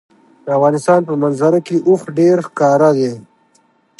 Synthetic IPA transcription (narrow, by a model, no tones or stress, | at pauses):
d̪̥əavɣɑːnɪst̪ɑːnpəmanzaɾakeʔuxɖeɾxkɑːɾad̪e